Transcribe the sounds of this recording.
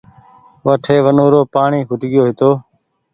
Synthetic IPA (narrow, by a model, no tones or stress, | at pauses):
ʋəʈʰeːʋənoːɾoːpaːɳiːkʊʈɠɪjoːɦɪt̪oː